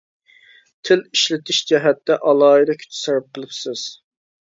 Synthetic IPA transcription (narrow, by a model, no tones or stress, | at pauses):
t̪ʰɪliʃlɪt̪ʰɪʃd͡ʒɛɦɛt̪ːɛʔɑlˠɑːid̪ɑkʲʰy̥t͡ʃ̪ʰɪ̥sɑɾɨp̚qəlˠɨpsɪz̥